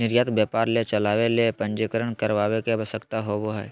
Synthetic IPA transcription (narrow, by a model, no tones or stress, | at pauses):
nɪɾjat̪bjəːpaːɾlet͡ʃəlaːʋelepə̃nd͡ʒekəɾəɳ̃kəɾʋaːʋekebəsəkt̪aɦoboɦɛ̰ː